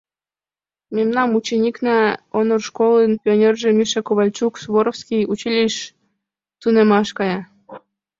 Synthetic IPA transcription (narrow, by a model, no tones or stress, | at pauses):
memnɑmut͡ɕenʲiknɑonorʃkolˠənpʲionʲerʒemʲiʃɑkoβɑlʲt͡ɕuksβoɾofskʲijut͡ɕilʲiʃ | t̪unemɑʃkɑjɑ